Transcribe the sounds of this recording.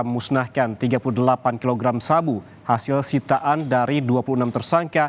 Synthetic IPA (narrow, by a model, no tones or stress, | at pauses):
musnahkant̪iɡapuludəlapankiloɡɾamsabu | hasɪlsit̪aʔandaɾiduapuluənamt̪ərsaŋka